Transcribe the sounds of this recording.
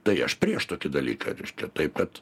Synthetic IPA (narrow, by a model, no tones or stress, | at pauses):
t̪ɐɪɐʃpʲrʲɾʲiɛʃt̪oːkʲɪd̪ɐlʲḭːkɐ̰ɾʲɛɪʃkʲɛt̪ɐɪp̚kɐt̪